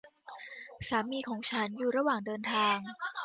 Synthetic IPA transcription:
saː˩˦miː˧kʰɔː˩˦ŋt͡ɕʰa˦˥njuː˨˩ɾa˧waː˨˩ŋdɤː˧nt̪ʰaː˧ŋ

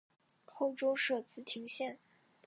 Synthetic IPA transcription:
xʰo˥˩ʊʈ͡ʂo˥ʊʂɤ˥˩t͡sɹ̩˧˥t̪ʰi˧˥ŋɕjɛ˥˩n

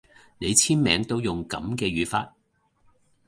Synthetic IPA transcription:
ne˨˧jt͡sʰiː˥nmɛ̰ː˨˧ŋt̪o˥wjʊ˨˩ŋkɐ̰˨˥mkɛː˧ɥyː˨˥fa̰ː˧t̚

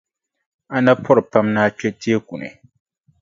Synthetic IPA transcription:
a˨na˦pʰɔ˦ɾɨ˨pa˦mnaː˦t͡ʃɛ˦ti˦e˦ku˨nɨ̰˨

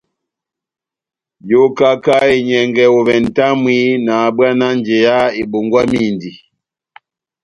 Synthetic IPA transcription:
jo˦ka˦ka˦e˨ɲɛ˨ŋɡɛ˨o˨vɛ˨n˨ta˦mwi˦na˨ba˦na˦n˦d͡ʒe˨ja˦e˨ɓo˨ŋɡwa˦mi˦˨ndi˨

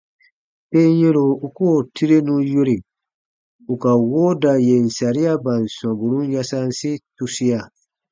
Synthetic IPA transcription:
pe˦n˦je˦ɾo˨u˨koː˦˨ti˦ɾe˦nũ˦jo˦ɾi˨ | u˨ka˨wo˦da˨je˨n̩˨sa˨ɾi˦a˦bã˨n˨sã˨bu˨ɾũ˦n˦ja˦sa˦n˦si˦tu˦si˦ja˨

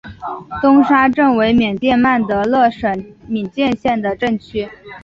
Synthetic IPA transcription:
t̪ʊ˥ŋʂa˥ʈ͡ʂɤ˥˩ŋwe˧˥ɪmjɛ˨˩nt̪jɛ˥˧nma˥˩nt̪ə˧˥lɤ˥˩ʂə˨˩nmi˨˩nt͡ɕjɛ˥˧nɕjɛ˥˩nd̪ə˩ʈ͡ʂɤ˥˩ŋt͡ɕʰy˥

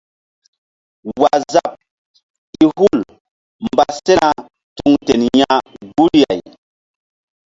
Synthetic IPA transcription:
wa˨za˦p̚ | i˦hu˦l | mba˨se˦na˦ | tu˦˨ŋte˨nja˦ɡu˦lja˨j

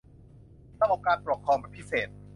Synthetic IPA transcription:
sʰa˧˥ʔɔː˨˩kaː˧npɾo˨˩kʰɾɔː˧ŋbɛː˨˩pʰi˦˥seː˨˩t̪̚

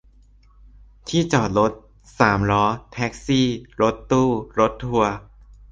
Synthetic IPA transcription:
t̪ʰiː˥˩t͡ɕɔː˨˩t̪̚ɾo˦˥t̪̚ | saː˩˦mɾɔː˦˥t̪ʰɛː˦˥k̚siː˥˩ɾo˦˥t̪ːuː˥˩ɾo˦˥t̪ʰːu˧ɐ

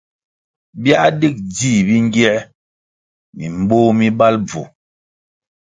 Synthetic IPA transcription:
bja˦di˦k̚d͡zi˦˨bi˦ŋ˦ɡɛ˦ | mi˨m˨boː˦mi˦ba˦lb͡vṵ˨

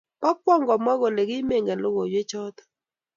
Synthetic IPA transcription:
pa˦k̚wɔ˦˨ŋɡɔ˨mɔ˦ɣɔ˨le˨ɡɪ˦me˦˨ŋɡɛ˨lʊ˦ɣɔ˨jwe˦t͡ʃɔ˦tɔ̥˨

